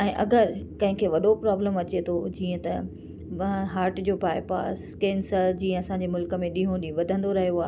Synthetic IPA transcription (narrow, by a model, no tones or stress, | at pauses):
ɛ̃ːʔɐɡəɾkɐ̃ɦɪ̃kʰeːʋɐɗopɾaːbləmɐt͡ɕet̪ʰod͡ʑiːə̃t̪ɐ | ʋɐɦɦaːɾʈd͡ʑoːpaːɪpa̰ːskẽːnsəɾd͡ʑĩːə̃ɐsãːɲd͡ʑemʊlkə̆mẽɗĩːɦõɗĩʋɐd̪ʱə̃nd̪oɾɐɦijoaː